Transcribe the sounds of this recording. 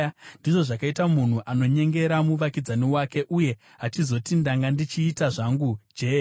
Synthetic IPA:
ndiʐo̞ʐakaitamun̤uʔano̞ɲe̞ŋɡe̞ɾamuʋakid͡zaniwake̞ʔuje̞ | ɦat͡ʃizo̞tindaŋɡandit͡ʃiːtaʐaŋɡud͡ʒe

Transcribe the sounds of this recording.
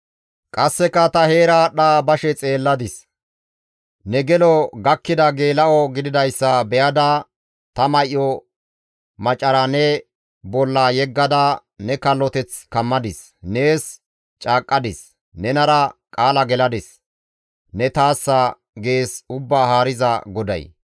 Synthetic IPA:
kʼɐsːɛkːɐt̪ɐhe̞ːɾaːɗaːbɐʃɛt͡sʼe̞ːlːɐd̪ɪs | nɛɡɛlɔɡɐkːɪd̪ɐɡeːlɐʔɔɡɪd̪ɪd̪ɐjsːɐbɛjɐd̪ɐ | t̪ɐmɐjʔɔ | mɐt͡ʃʼːɐɾanɛ | bɔlːaːjɛɡːɐd̪ɐ | nɛkɐlːɔt̪ɛt͡skɐmːɐd̪ɪs | ne̞ːs | t͡ʃʼaːkʼːɐd̪ɪs | nɛnɐɾɐkʼaːlɐɡɛlɐd̪ɪs | nɛt̪aːsːɐ | ɡe̞ːsʊbːaːhaːɾɪzɐ̰ɡɔd̪ɐ̰j

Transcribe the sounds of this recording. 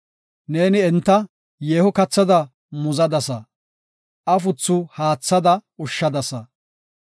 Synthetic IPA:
ne̞ːnɪɛnt̪ːɐ | jeːhʊkɐt͡sːɐd̪ɐ | mʊzɐd̪ɐsɐ | ʔɐfʊt͡sːʊhaːt͡sːɐd̪ɐʊʃːɐd̪ɐsɐ

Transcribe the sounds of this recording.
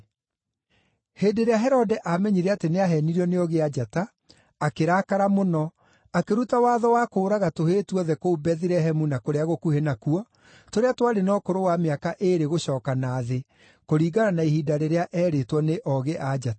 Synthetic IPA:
heːndeɾeaɦɛɾɔdɛʔamɛɲiɾɛateneaɦɛniɾiɔneɔɣead͡ʒata | akeɾaːkaɾamonɔ | akeɾutawaːðɔwaːkoːɾaɣatoheːtuɔðɛkoubɛðiɾɛɦɛmunakoɾeaɣokuhenakuɔ | toɾeatwaɾenɔːkoɾowameakaʔeɾeɣoɕɔːkanaːðe | koɾiːɡaɾanaihiːdaɾeɾeaʔɛːɾetwɔneʔɔɣeʔad͡ʒata

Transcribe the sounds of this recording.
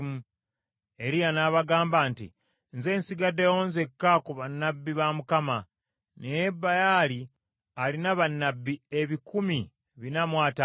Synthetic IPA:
mu | e̞ɾijanaβaɡaːmbantḭ | nze̞ːnsiɡadewoːnze̞kːakuβanːabːiβamukama | nejebːajaːli | alinaβanːabːieβikumi | βinamwaːta

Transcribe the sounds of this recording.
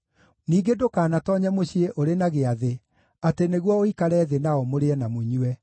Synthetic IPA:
niːɡedokaːnatɔɲɛmoɕieʔoɾenaɣeaðe | ateneɣwɔoikaɾɛðenaɔmoɾeɛnamuɲuɛ

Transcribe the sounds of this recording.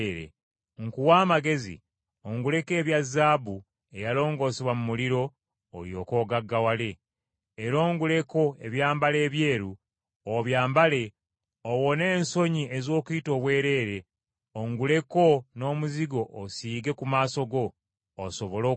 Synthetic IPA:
ɾḛ | ŋkuwaːmaɡe̞zḭ | oŋɡule̞ke̞ːβjazːaːbu | e̞jalo̞ːŋɡo̞ːseβwamumuliɾo̞ː | ljo̞ːko̞ːɡaɡːawale̞ː | ɾo̞ːŋɡule̞ko̞eβjaːmbale̞ːβje̞ːɾu | oβjaːmbale̞ | owo̞ne̞ːnso̞ɲie̞zo̞ːkuito̞ːβwe̞ːɾe̞ːɾe̞ | oŋɡule̞ko̞no̞ːmuziɡo̞ʔːsiːɡe̞kumaːso̞ɡo̞ː | so̞βo̞lo

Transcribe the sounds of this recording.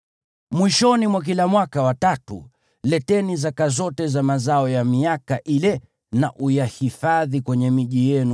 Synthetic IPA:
mwiʃɔnimwak̬ilamwakawatatṵ | lɛtɛnizakazɔtɛzamazaɔjamiakaʔilɛ | naʔujahifaðikwɛɲɛmiʄijɛnu

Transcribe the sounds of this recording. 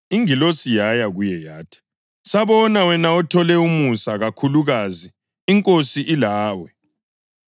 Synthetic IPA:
iŋilosijajaɣujɛjaːtʰi̥ | saβɔnawɛnaɔtʰɔlɛumusaɣakʰuluɣaziː | ŋkʼosiʔilaːwɛ

